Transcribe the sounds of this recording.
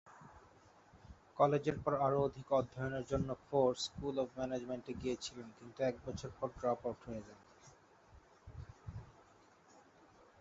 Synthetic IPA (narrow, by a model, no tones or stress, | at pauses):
kɔled͡ʑeɾpɔɾaɾood̪ʱikɔd̪ʱːɔjoneɾd͡ʑonːofoɾskulɔbmɛned͡ʑmeɳʈeɡijet͡ɕʰilenkint̪uɛk̚bɔt͡ɕʰoɾpɔɾɖɾapoɾʈɦoed͡ʑan